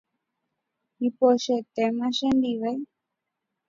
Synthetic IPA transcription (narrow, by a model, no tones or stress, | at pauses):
ipoʃet̪emãʃẽnd̪iʋaj